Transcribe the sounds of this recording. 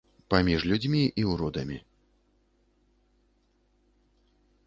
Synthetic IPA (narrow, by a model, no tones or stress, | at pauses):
pamʲiʐlʲud͡zʲmʲiʔiuwɾɔd̪ɐmʲi